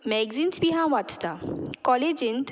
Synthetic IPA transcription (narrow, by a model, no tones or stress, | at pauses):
mɛɡzinsbʱiɦãʋat͡st̪akɔːled͡ʒint̪